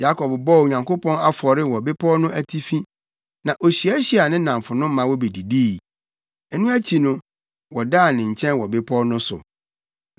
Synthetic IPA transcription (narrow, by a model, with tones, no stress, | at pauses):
ja˦kʰɔ˨bbɔ˦˨o˨ɲã˨ŋkʰo˦pʰɔ̃˦na˦fɔ˨ɾɪ˦wɔ˨bɪ˦pʰɔ˦nʊ̃˦ʔæ˦tʰi˦fĩ˦ | nã˨ʔo˨ɕi˨æ˦ɕi˦a˨nɪ̃˦nã˨ɱ˨fʊ˨nʊ̃˦mã˨˦wɔ˦be˨di˨di˦˨ | ɛ˨nũ˦æ˦t͡ɕʰi˨nʊ̃˦ | wɔ˨daː˦˨nɪ̃˨ɲ̩˨t͡ɕʰɛ̃˦nwɔ˨bɪ˦pʰɔ˦nʊ̃˦sʊ̰˨